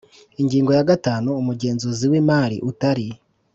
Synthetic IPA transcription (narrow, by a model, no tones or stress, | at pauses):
iŋɡiːŋɡo̞jaɡataːnuːmuɟe̞ːnzuziwimaɾḭʔutaɾi